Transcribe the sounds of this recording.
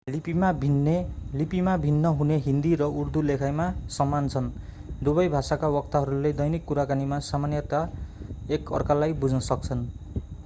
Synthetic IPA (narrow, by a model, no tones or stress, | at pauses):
lipimabʱinːelipimabʱinːʌɦuneɦind̪iɾʌurd̪ulekʰajmasʌmːant͡sʰʌn | d̪ubʌjbʱasakawʌk̚t̪aɦʌɾuled̪ʌjnikːuɾakanimasamanjʌt̪aekʌ̰rkalajbud͡znʌsʌk̚t͡sʰʌn